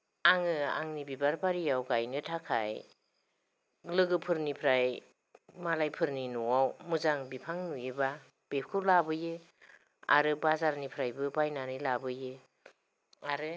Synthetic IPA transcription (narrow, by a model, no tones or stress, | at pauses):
aŋɯa̰ŋnibibaɾbaɾijawɡajnɯtʰakʰa̰j | lɯɡɯpʰɯɾnipʰɾaj | malajpʰɯɾninɔwawmuzaŋbipʰaŋnujɯba | b̥ep̚ʰkʰɯlabɯjɯ | a̰ɾɯbazaɾnipʰɾajbɯbajnanɯlabɯjɯ | aɾɯ